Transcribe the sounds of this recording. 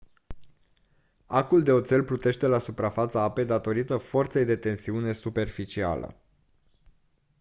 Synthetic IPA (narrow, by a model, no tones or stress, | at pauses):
akuld̪e̞o̞t̪se̞lplut̪e̞ʃt̪e̞lasupɾafat̪səape̞d̪at̪o̞ɾit̪əfo̞rt̪se̞jd̪e̞t̪e̞nsiune̞supe̞rfit͡ʃia̰lə̰